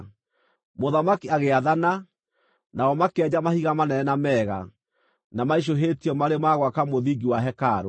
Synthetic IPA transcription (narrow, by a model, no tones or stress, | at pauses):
moðamakiaɣeaðana | naɔmakɛd͡ʑamahiɣamanɛnɛnamɛɣa̰ | namaiʃ̬oɦeːtiɔmaɾemaɣwakamoðiɡiwaɦɛkaɾo